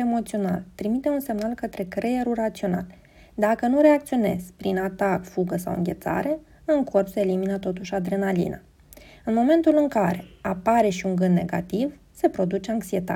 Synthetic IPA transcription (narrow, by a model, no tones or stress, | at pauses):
emo̞t̪sio̞na̰lt̪ɾimit̪e̞unse̞mnalkət̪ɾe̞kɾe̞jeɾulrat̪sio̞na̰l | d̪akənuɾe̞ak̚t̪sio̞ne̞̰z̥pɾinat̪akfuɡəsa̰wɨ̰ŋɡʲe̞̰t̪sa̰ɾe̞ | ɨŋko̞rpseːliminət̪o̞t̪uʃʲad̪ɾenalḭna̰ | ɨnmo̞me̞nt̪ulɨŋkaɾe̞apaɾe̞ʃiuŋɡɨnd̪ne̞ɡa̰t̪iv | se̞pɾo̞d̪ut͡ʃe̞aŋksie̞t̪a̰